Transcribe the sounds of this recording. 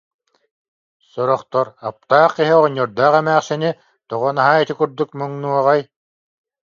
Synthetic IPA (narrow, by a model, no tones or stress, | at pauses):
sɔɾɔχt̪ɔɾap̚t̪aːχiɦiʁɔɲːɔɾd̪aːχɛmæːχsɛni | t̪ɔʁɔnaɦait̪ikuɾd̪uk̚mɯŋnuɔʁaj